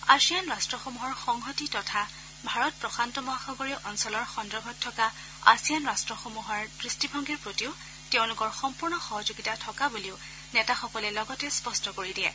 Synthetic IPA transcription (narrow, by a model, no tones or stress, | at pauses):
asijanɹastɹɔxomuɦɔɹxɔŋɦɔtitɔtʰa | bʱaɹɔt̚pɹɔxantɔmɔaxɔɡɔɹiɔʔɔnsɔlɔɹxɔndɹɔɡʱɔtʰːɔka | a̰sijanɹastɹɔxomuɦɔɹdɹistibʱɔŋɡiɹpɹotiʊ | teʊ̃lʊkɔɹxɔmpuɹnɔxɔɦɔzoɡitatʰɔkabuliʊ | nɛtaxɔkɔlɛlɔɡɔtɛspɔstɔkoɹidiɛ̰